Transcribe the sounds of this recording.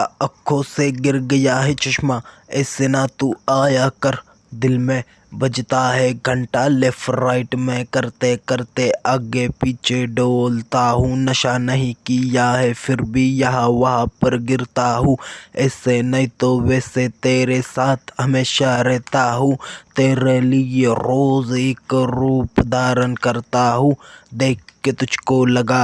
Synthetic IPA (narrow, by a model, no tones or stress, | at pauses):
ɐkʰːoseɡɪɾɡɐjaɦɛt͡ʃɐʃmaɛːsenat̪uaːjakɐɾ | d̪ɪlmẽ | bɐd͡ʒt̪aɦɛɡʱəɳʈaleːfɾaːɪʈmẽkɐɾt̪ekɐɾt̪eʔaːɡepiːt͡ʃʰeɖoːlt̪aɦũːnɐʃanɐɦĩkijaɦɛfʰɪɾbʱijɐɦãʋɐɦãpɐɾɡɪɾt̪aɦũːɛːsenɐɦĩt̪oʋɛːset̪eːɾesaːt̪ʰɦɐmeːʃaɾɛɦt̪aɦũːt̪eːɾelieɾoːzekɾuːpd̪ʱaːɾənkɐɾt̪aɦũːd̪eːk̚ʰːet̪ʊd͡ʒʱkolɐɡaː